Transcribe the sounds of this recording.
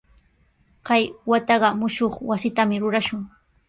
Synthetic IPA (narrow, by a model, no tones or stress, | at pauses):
kajwat̪ɑɢɑmʊʃoχwasɪt̪amɪɾʊɾaʃʊŋ